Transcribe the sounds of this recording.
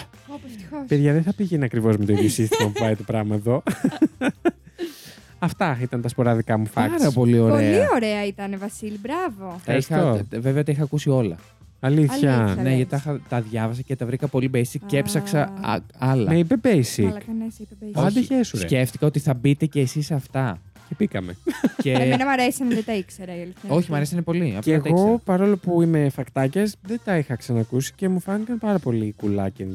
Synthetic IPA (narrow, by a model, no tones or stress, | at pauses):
oopeðʝɐðeθɐpiʝenɐkɾivo̞zmet̪oiðjosist̪imɐpuvɐjt̪opɾɐɣmɐeðo̞ | ɐft̪ɐit̪ɐnt̪ɐspo̞ɾɐðikɐmufɐkɐɾɐpo̞lio̞ɾeɐlioɾeɐit̪ɐnevɐsilibɾɐvot̪ɐixɐoveveɐt̪ɐixɐːkusio̞lɐ̰ | ɐliθçɐneʝɐt̪ɐxɐt̪ɐðʝɐvɐs̬ɐcet̪ɐvɾikɐpo̞libejsikcːepsɐksɐ̰ɐlɐ̰meipebejsinɐd̪içessce̞ft̪i̥kɐo̞t̪iθɐbit̪e̞ce̞ːsisɐft̪ɐ | cebikɐmḛcenɐmɐɾesɐnðet̪ɐikseɾɐiɐlio̞çimɐɾesiɐnepo̞liɐfeɣɐo̞pɐɾo̞lo̞puime̞fɐkt̪ɐcɐsðet̪ɐixɐksɐnɐːkusi̥ce̞mufɐnikɐmpɐɾɐpo̞likulɐcen